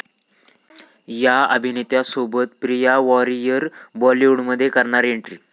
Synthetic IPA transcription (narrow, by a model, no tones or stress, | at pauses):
jaəbʱinit̪jasobət̪pɾijaʋɔɾijəɾbɔliuɳməd̪ʱːjekəɾɳaɾeɳʈɾiː